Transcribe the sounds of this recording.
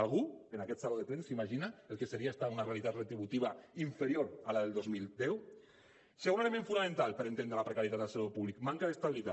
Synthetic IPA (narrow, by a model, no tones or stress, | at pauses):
alɣuenakɛt̪saloðet̪ɾensimaʒinaelkeseɾiaest̪aunarealit̪at̪ret̪ɾiβut̪iβ̞aiɱfeɾioɾalaðelˠd̪ozmilˠd̪ɛw | seaɣwnaelemẽɱfunamẽnt̪alˠpəɾent̪end̪ɾelapɾekaɾjet̪at̪elsalopuβlikmaŋkaðest̪aβilit̪a̰